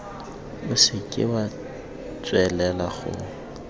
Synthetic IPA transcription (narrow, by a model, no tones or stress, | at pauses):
bʊsɪkʼɪ̰ba | t͡sʼwɛlɛlaχʊ̰